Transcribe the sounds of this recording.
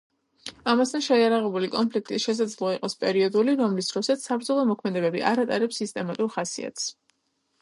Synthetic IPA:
amast̪ʰanʃɛiaɾaʁɛbulikʼɔmpʰlik̚ʰt̪ʼiʃɛs̬ad̪zlˠɔaiqʼɔspʼɛɾiɔd̪uliɾɔmlisd̪̥ɾɔsat̪sabɾd̪zɔlˠɔmɔkʰmɛd̪ɛbɛbḭʔaɾat̪ʼaɾɛpsːist̪ʼɛmat̪ʼuɾχasḭa̰t̪ʰs

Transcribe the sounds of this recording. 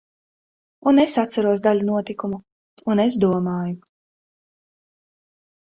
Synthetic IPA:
unesat̪saɾuɔsd̪aʎʲunuɔt̪ikumu | unes̬d̪uɔmaːju

